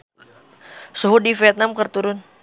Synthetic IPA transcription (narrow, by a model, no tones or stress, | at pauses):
soɦudifiɛt̪̚namkərt̪uɾʊn